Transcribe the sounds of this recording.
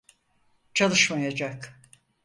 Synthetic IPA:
t͡ʃʰalˠɯʃmajad͡ʒak

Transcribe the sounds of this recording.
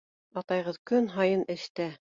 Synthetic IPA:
ɑt̪ɑjʁɤðkɵnɦɑjɤnɘ̆ʃt̪æ

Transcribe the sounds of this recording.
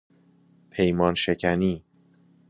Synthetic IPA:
pʰe̞jmɒːnʃecʰæniː

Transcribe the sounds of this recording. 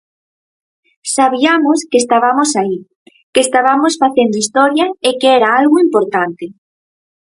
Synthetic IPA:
saβiamoskest̪aβamosai | keːst̪aβamosfaθend̪ʊist̪ɔɾjaekeɛɾaalɣʊimpoɾt̪ant̪ɪ

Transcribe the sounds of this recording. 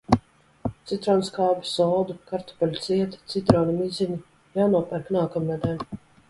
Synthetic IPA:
t̪sit̪ɾɔːnskawbi̥sɔwd̪ukaɾt̪ɔ̥palʲut̪siɛt̪i̥t̪sit̪ɾɔːnimizʲinʲi | jaːnuɔpɛɾknaːkɔmnad̪ʲɛlʲ

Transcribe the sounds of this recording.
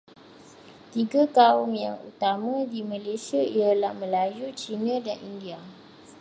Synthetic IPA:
t̪iɡakaʊmjaŋṵt̪amãdimãlesiaialahmə̃lajut͡ʃinãdanindia

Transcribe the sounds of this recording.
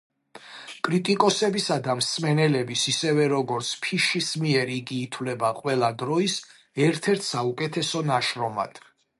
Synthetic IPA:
kʼɾit̪ʼikʼɔsɛbisad̪amsmɛnɛlɛbisisɛvɛɾɔɡɔɾt̪sʰpʰiʃismiɛɾiɡiːt̪ʰwlɛbaqʼwɛlˠad̪ɾɔis | ɛɾt̪ʰɛɾt̪ʰsaukʼɛt̪ʰɛsɔnaʃɾɔma̰d̪̥

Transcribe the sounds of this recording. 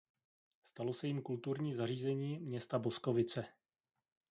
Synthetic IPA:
st̪alo̞sɛjɪmkult̪uɾɲiːzariːzɛɲiːmɲɛst̪abo̞sko̞vɪt͡sɛ

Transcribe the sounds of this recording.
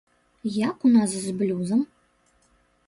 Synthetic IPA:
jakunaszblʲuzɐm

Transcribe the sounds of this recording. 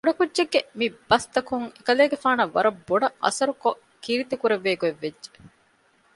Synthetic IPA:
boɖɐkudːeɡːemib̥ɐst̪ɐkuŋekɐleːɡefaːnɐʋːɐɾɐbːoɖɐʔɐ̰sɐɾuko | kiɾit̪ikuɾeʋːeːɡueʋːed͡ʒd͡ʒe̥

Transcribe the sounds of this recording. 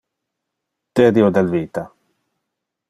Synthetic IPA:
t̪eɾiod̪elviːt̪a

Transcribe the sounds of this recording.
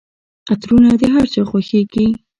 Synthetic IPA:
at̪ɾunad̪eɦaɾt͡soxwaxeɡi

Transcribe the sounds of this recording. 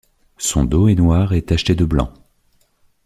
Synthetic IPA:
sɔ̃d̪oɛnwaʁɛt̪aʃt̪ed̪əblɑ̰̃

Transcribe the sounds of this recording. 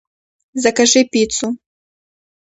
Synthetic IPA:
zɐkaʐɨpʲit̪su

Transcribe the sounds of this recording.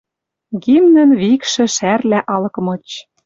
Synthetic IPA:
ɣimnə̆nβikʃɘ̆ʃærlæʔɑlɤ̆kɤmɤ̆t͡ɕ

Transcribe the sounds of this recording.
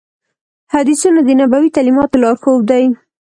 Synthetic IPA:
had̪isunad̪ənabawit̪alimɑt̪olɑɾxob̚d̪aj

